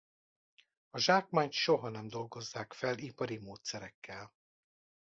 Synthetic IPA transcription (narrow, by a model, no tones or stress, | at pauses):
ɒʒaːkmaːɲt̪ʃo̞ɦɒnɛmd̪o̞lɡo̞zːaːkfɛlipɒɾimoːt̪sɛɾɛkːɛl